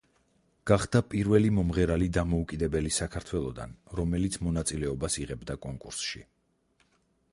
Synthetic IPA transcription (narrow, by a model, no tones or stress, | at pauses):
ɡ̥aχd̪̥apʼiɾvɛlimɔmʁɛɾalid̪amɔukʼid̪ɛbɛlisakʰaɾt̪ʰwɛlˠɔd̪a̰nɾɔmɛlit̪sʰmɔnat̪sʼilɛɔbasiʁɛbd̪akʼɔŋkʼuɾsʃi